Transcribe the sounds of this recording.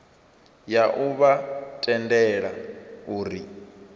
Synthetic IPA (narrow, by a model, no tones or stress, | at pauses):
jaʔuβatʼɛndɛɺa̰uːɾi